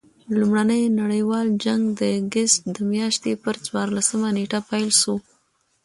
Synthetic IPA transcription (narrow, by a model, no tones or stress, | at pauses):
lumɽanəjnaɽəjwɑld͡ʒaŋɡd̪əɡɪst̪̚d̪əmjɑʃt̪epəɾt͡swɑɾlasəmaneʈapajlʃo